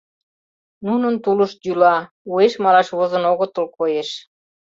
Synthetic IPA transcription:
nunɤnt̪uluʃd͡ʑulɑ | ueʃmɑlˠɑʃβŏzɤ̆noɣŏt̪ɤ̆lkojeʃ

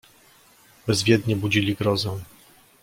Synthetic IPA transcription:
bɛzvʲjɛd̪ɲɛbud͡ʑilʲiɡɾɔzɛw̃

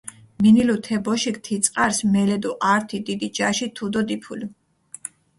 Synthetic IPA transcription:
minilut̪ʰɛbɔʃikt̪ʰit̪sʼqʼaɾsmɛlɛd̪ɔʔaɾt̪ʰid̪id̪id͡ʒaʃit̪ʰud̪ɔd̪ipʰuli

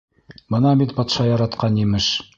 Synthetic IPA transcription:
bɤ̆nɑbit̪bɒt̪ʃɑjɑɾɑt̪qɑnjimɘʃ

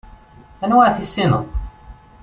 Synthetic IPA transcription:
ænwaʕθisːinə̰ʁ

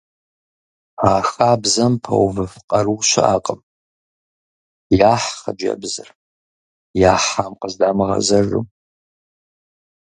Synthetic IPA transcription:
aːxaːbzɐmpʰɐ̰wvɨfqʼɐɾuwʃɪʔaːqʼəm | jaːħχɐd͡ʒɐ̰bzɨr | jaːħamqəzdaːmɨʁɐ̰zɐrɨ̰m

